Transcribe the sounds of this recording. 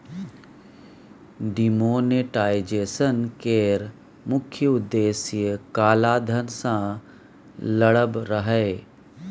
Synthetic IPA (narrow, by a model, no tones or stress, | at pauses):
ɖimoːneʈaːjd͡ʒeːsənkeːɾ | mʊkʰjəʊd̪ːeːsjəkaːlaːd̪ʱənsã | ləɽəbɾəɦɛː